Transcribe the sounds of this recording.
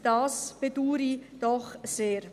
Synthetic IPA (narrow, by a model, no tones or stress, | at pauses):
d̥ɑːsb̥ed̥uːɾid̥ɔχseːɾ